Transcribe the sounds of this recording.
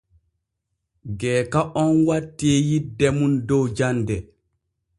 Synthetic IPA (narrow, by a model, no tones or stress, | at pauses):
ɡɛːkaʔɔnwatːɛːjidɛmundɔwd͡ʒandɛ